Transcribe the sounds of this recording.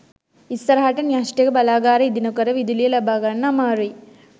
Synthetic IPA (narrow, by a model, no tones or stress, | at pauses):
isɐɾɐɦɐʈɐnijaːsʈeɡɐbɐlaːɡaːɾɐid̪inɐkɐɾɐʋid̪ulijɐlɐbaːɡanːɐmaːɾui